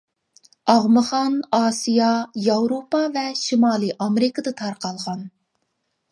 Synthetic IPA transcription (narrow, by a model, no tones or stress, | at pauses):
ɑʁmɨχɑnɑːsijɑjɑwɾopɑvɛʃimɑːlˠɨʔɑmeɾɨkəd̪ɨt̪ʰɑɾqɑlˠʁɑn